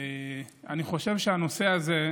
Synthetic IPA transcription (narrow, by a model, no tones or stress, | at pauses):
a̰niχo̞ʃe̞vʃeano̞se̞aze̞